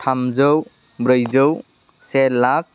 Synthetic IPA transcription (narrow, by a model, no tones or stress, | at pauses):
tʰamzəw | bɾəjzəw | selːak̚